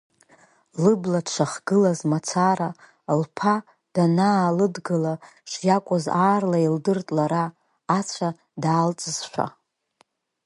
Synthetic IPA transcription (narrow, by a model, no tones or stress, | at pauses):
lɨbladʂʷʰaχɡɨlazmat͡sʰara | lpʰa | d̥anaːlɨdɡɨlaʂjakʷʼʊzaːrlaildɨrtʼlaɾaː | t͡sʷʰa | daːlt͡sʼɨz̥ʃʷᶣa̰